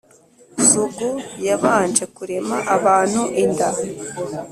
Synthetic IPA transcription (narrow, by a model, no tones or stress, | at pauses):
zuɡujaβaːnd͡ʒe̞kuɾe̞maʔaβaːn̥huʔinda